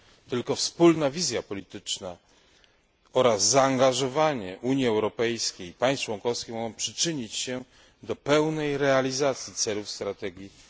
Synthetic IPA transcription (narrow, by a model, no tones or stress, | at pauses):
t̪ɘlkɔfspulnavʲizʲjapɔlʲit̪ɘt͡ʂna | ɔɾazːaːŋɡaʐɔvaɲɛʔuɲjiɛwɾɔpɛjskʲejpaj̃st͡ʂwɔŋkɔfskʲixmɔɡɔ̃w̃pʂɘ̥t͡ʂɘɲit͡ɕɕɛ | d̪ɔpɛwnɛjɾɛalʲizat̪sʲjit̪sɛlufst̪ɾat̪ɛɡʲji